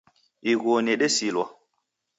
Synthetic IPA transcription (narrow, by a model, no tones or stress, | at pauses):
iɣoneɗesilwa